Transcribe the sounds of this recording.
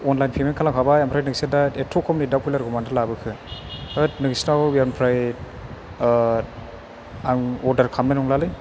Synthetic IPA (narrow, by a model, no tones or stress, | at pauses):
ɔnlajnpʰemenkʰalaŋkʰabajampʰɾajnɯɡsedatetɾɔkʰɔmnidawpʰulaɾɡɔmandaɾlabɯkʰɯɯtnɯɡsnawbiampʰɾaj | aŋɔɾdaɾkʰamlenɔŋlalɯ